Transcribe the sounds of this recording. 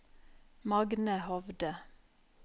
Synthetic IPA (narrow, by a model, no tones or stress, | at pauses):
mɑɡnəhɔʋd̪ə